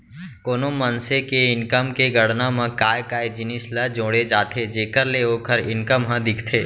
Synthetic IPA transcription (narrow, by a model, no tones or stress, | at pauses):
koːnomənsekeɪnkəmkeɡəɽnãmə̃kaːjkaːed͡ʒɪnɪsləd͡ʒõːɽed͡ʒaːt̪ʰed͡ʒeːkəɾleoːkʰəɾɪnkəmɦə̃d̪ɪkʰt̪ʰeː